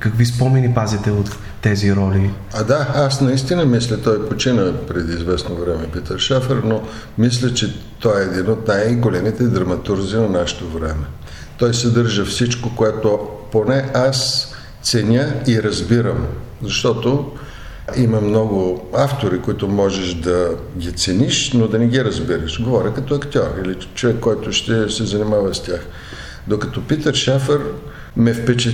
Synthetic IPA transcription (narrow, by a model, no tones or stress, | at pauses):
kɐkvispɔmɛnipazit̪ɛot̪ː | ɛziɾɔlʲi | ad̪aasnɐist̪inəmislʲət̪ɔjpot͡ʃinəpɾɛd̪izvɛsnovɾɛmɛpit̪əɾʃafɛɾno | mis̬lʲət͡ʃɛ | t̪ɔɛːd̪inot̪najɡolɛmit̪ɛd̪ɾɐmɐt̪uɾzinɐnaʃɛ̥t̪ovɾɛmɛ | t̪ɔjsɛd̪ɤɾʒəfsit͡ʃkokoɛt̪oponɛas | t̪sɛnʲəiɾɐzbiɾəm | zɐʃt̪ɔt̪o | imɐmnɔɡʊaft̪oɾikoit̪ʊmɔʒɛʃd̪ɐɡʲit̪sɛniʃnod̪ɐnɛɡʲiɾɐzbiɾəʃɡovɔɾʲəkɐt̪ɔɐkt̪ʲɔɾili | t͡ʃovɛkːɔjt̪ʊʃt̪ɛsɛzɐnimavɐstʲax | d̪okɐt̪ɔpit̪əʃafəɾ | mɛfpɛt͡ʃɛ